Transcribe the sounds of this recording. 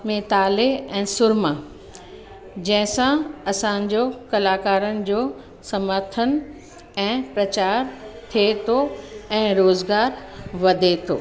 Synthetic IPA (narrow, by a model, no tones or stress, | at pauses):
mẽt̪aːleɛ̃ːsʊɾmə | d͡ʑɐ̃ɦɪ̃sãɐsãɲd͡ʑoːkɐlaːkaːɾənɪ̆d͡ʑoː | sɐməɾt̪ʰən | ɛ̃ːpɾɐt͡ɕaːɾt̪ʰiet̪ʰoɛ̃ːɾoːzɡaːɾʋɐd̪ʱet̪ʰo̰ː